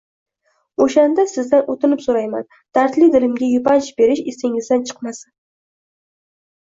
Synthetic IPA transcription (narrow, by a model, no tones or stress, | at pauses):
oʃand̪asɪzd̪anʔot̪ʰɪnɪpsoɾajma̰n | d̪̥aɾt̪lɪd̪ɪlɪmɡʲajʊpant͡ʃbe̞ɾɪʃesɪŋɪzd̪ant͡ʃʰɨ̥qmasɪn